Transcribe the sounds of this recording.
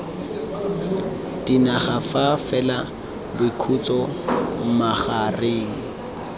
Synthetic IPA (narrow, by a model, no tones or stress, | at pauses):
d̥inaχafafɛla | bʊikʰut͡sɔm̩maχareːŋ̩